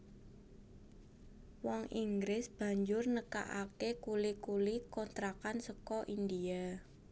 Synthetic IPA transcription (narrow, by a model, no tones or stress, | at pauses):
wɔŋiŋɡɾɪsb̥ä̤ɲd͡ʒʊrnəka̰ʔakekulikulikɔnt̪ɾakansəkɔʔind̪ia